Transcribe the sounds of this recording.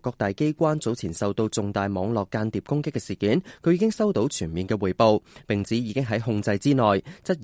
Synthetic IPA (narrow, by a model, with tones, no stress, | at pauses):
kːɔː˧k̚t̪aː˨˩jke˥jkʷaː˥nt͡so˨˥wt͡sʰiː˨˩nsɐ˨wt̪o˧wt͡sʊ˨ŋt̪aː˨jmɔː˨˧ŋlɔː˨˩kːaː˧nt̪iː˨˩p̚kʊ˥ŋkɪ˥kːɛ˧siː˨˩kiː˨˥nkʰɵ˨˧ɥjiː˧kɪ˥ŋsɐ˥wt̪o˨˥wt͡ʃʰyː˨˩nmiː˨nkɛː˧wuː˨˩jpo˧wpɪ˨ŋt͡sʰiː˨˥jiː˨˧kɪ˥ŋɦɐ˨˥jɦʊ˧ŋt͡sɐ˧jt͡siː˥ŋɔː˨˩jt͡sɐ˥t̚